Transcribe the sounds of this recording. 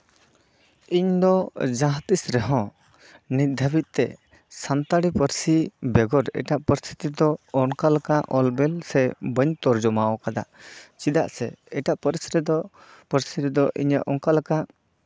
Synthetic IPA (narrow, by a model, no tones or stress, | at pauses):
iɲd̪ɔd͡ʒaɦt̪isɾɛɦɔ̃ | nit̪̚d̪ʱabit̪̚ˀt̪ɛ̰ | sant̪aɽipəɾsibɛɡɔɾɛ̰ʈaʔpəɾst̪ʰi̥t̪id̪ɔɔnkalakaʔɔlbɛlsɛbəɲt̪ɔɾd͡ʒɔmawɔkad̪a̰ʔt͡ʃid̪a̰ʔsɛ̰ɛʈaʔpəɾsɾɛd̪ | pəɾsiɾɛd̪ɔʔḭɲa̰ʔɔŋkalakaʔ